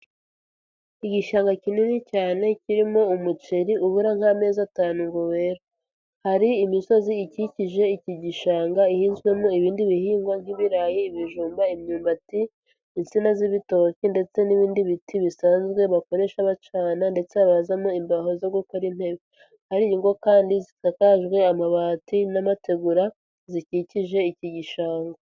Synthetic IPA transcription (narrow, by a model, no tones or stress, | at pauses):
iɟiʃaːŋɡacininicaːne̞ciɾimo̞umut͡ʃeɾiuβuɾaŋ̥hame̞ːzataːnuŋɡowe̞ːɾo | haɾiːmiso̞ziːciciʒe̞iciɟiʃaːŋɡaihiːnzwe̞mo̞iβiːndiβihiːŋɡwaŋ̥iβiɾajiːβiʒuːmbaimɲuːmbatiː | nsinaziβito̞cinde̞t͡se̞niβiːndiβitiβisaːnzɡwe̞βako̞ɾe̞ʃaβat͡ʃaːnande̞t͡seaβazamoimbaɦo̞zo̞ɡuko̞ɾim̥he̞βi | haɾiiŋɡo̞kaːndizitakaʒɡwe̞amaβaːtinamate̞ɡuɾa | ziciciʒe̞iciɟiʃaːŋɡa